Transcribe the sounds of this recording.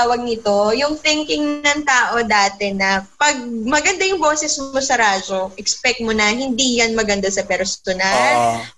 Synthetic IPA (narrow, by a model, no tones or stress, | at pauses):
wɐɡ̚nɪt̪o̞jʊŋθɪŋkɪŋnɐŋt̪aːʔo̞d̪aːt̪ɛnɐpɐɡ̚mɐɡɐnd̪ajʊŋbo̞ːsɛsmosɐɾaːd͡ʒo̞ʔɛkspɛk̚t̪̚monɐɦɪnd̪ijɐnmɐɡɐnd̪asɐpɛɾsʊnan